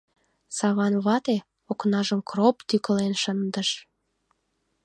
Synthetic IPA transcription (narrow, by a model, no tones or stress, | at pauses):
sɑβɑnβɑt̪e | oknɑʒəmkropt̪ykəlenʃənd̪əʃ